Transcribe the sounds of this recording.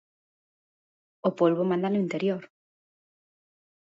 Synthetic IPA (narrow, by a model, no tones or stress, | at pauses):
opolβomãnd̪anʊint̪eɾjoɾ